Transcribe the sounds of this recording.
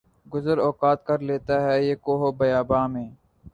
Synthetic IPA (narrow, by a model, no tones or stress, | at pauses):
ɡʊzəɾɔːkaːt̪kəɾleːt̪aɦɛːjeːkoːɦoːbəjaːbaːmẽː